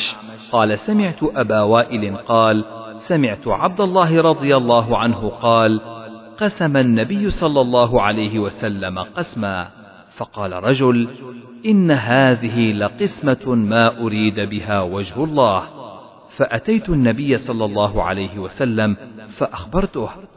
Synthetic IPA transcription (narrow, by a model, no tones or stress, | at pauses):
ʃ | qɑːlasamɪʕt̪ʊʔabaːwaːʔɪlɪnqɑːl | samɪʕt̪ʊʕab̚d̪alˤːɑːɦɪɾˤɑd̪ˤɨjalˤːɑːɦʊʕanɦʊqɑːlqɑsamanːabɪjːʊsˤɑlːɑlˤːɑːɦʊʕalajɦɪwasalːamaqɑsmaː | fɑqɑːlarˤɑd͡ʒʊl | ʔɪnːaɦaːðɪɦɪlaqɨsmamaːʔʊɾiːd̪bɪɦaːwad͡ʒhʊlˤːɑːh | faʔat̪ajt̪ʊnːabɪjːasˤɑlːɑlˤːɑːɦʊʕa̰lajhɪwasalːamfaʔaxbɑɾˤt̪ʊh